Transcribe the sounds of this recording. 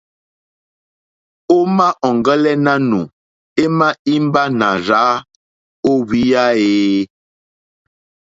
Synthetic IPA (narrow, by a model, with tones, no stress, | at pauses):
o˦ma˦ʔɔ˨ŋɡə˦lɛ˦na˦nu˨ | e˦ma˦i˦m˦ba˦na˨ɾa˨˦ | o˦wi˦ja˦eː˦